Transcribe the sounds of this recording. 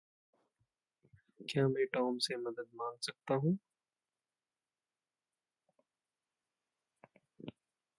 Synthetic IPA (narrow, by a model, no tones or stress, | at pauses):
kjaːmɛ̃ːʈɔːmsemɐd̪əd̪̚mãːŋɡsɐk̚t̪aɦũː